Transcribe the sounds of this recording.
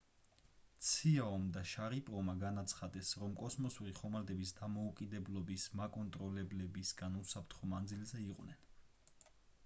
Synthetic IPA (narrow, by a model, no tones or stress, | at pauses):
t̪sʰiaɔmd̪aʃaɾipʼɾɔmaɡanat̪sʰχad̪ɛsɾɔmkʼɔsmɔsuɾiχɔmald̪ɛbisd̪amɔukʼid̪ɛblˠɔbismakʼɔnt̪ʼɾɔlɛblɛbisɡanusapʰɾt̪ʰχɔmand̪zilzɛiqʼwnɛn